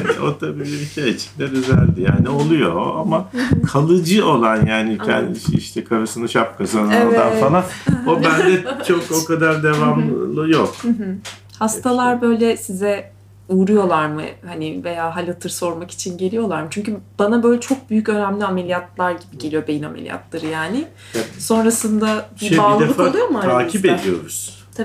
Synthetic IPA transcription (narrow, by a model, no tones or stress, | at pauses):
an̰o̰t̪ʰabiːlʲibiʃejit͡ʃʰind̪ɛd̪yzælʲd̪ija̰ːniolˠujo̞̰amakʰalˠɯd͡ʒɯo̞lˠanjaːnicʰɛ̰nd̪iḭʃt̪ʰɛkʰaɾasɯnɯʃap̚kasɯnod̪ansanaobænd̪ɛt͡ʃʰokokad̪aɾd̪e̞vamˠlˠɯjok̩ɦɯ | hast̪ʰalˠaɾbø̞jlʲɛsizɛ | uːɾujo̞lˠaɾmɯ̰hanɪve̞jaːɦalʲat̪ʰɯɾso̞ɾmaki̥t͡ʃʰinɟelʲijo̞lˠaɾmɯt͡ʃʰyɲcyb̥anabø̞jlʲɛt͡ʃʰo̞k̚byjycø̞næmlʲiame̞lʲijat̪lˠaɾɟibiɟe̞lʲijo̞bejina̰melʲija̰t̪lˠaɾɯjaːnɪ | so̞nɾasɯnd̪abibailˠd̪efaolˠujomuaj̪aːkʰipe̞d̪ijo̞̰ɾuz̥ | t̪ʰ